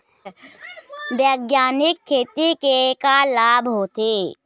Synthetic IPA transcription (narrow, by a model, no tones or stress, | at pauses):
bjəɡjaːnɪkʰːeːt̪ikekalaːbʱɦot̪eː